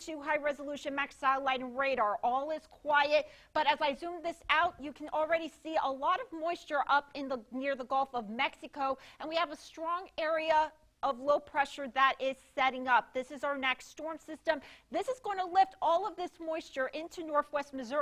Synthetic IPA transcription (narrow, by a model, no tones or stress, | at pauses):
tʰʉɦaɪɹɛzəlʉʃɨ̃nmæksaɪlaɪɾ̃n̩ɹeɪɾɑ˞ʔɔlˠɪz̥kʰw̥aɪɨt̚b̥ʌɾɨzaɪzũmðɪsaʊt͡ʃɨkʰɨ̃n̩l̩ˠɹɛɾisiə̰lɔɾʌvmɔɪst͡ʃə˞ʔʌpɨ̃nðənɪɹðəɡɔlˠfʌvmɛksɨkoʊɨ̃nwiɨvəstɹ̥ɔ̃ŋɛɹiə | ʔʌvloʊpʰɹ̥ɛʃə˞ðəɾʔɪz̥sɛɾɪ̃ŋʌp̚ðɪsɨzaʊə˞næksstɔɹmsɪstɨ̃mðɪsɨzɡoʊɪ̃ntʰəlɪftɔlˠʌvðɪsmɔɪst͡ʃə˞ʔɪ̃ntʰʉnɔɹθwɛst̚mɨzɜ